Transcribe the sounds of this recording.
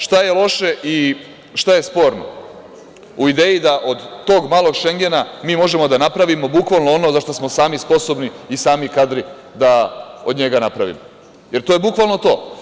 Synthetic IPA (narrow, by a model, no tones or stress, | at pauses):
ʃt̪aje̞lˠo̞ʃe̞ʔi | ʃt̪aje̞spo̞ːɾno̰ | uid̪eːjid̪aʔo̞d̪ːo̞ːɡmaːlˠo̞ɡʃeŋɡe̞namiːmo̞ʒe̞mo̞d̪anapɾaʋimo̞bukʋalˠnoono̞zaʃt̪osmo̞saːmispo̞so̞bniːsaːmikad̪ɾi | d̪ao̰d̪ɲe̞ɡanapɾaʋḭmo | je̞ɾt̪ojebukʋalˠnot̪o̞̰ː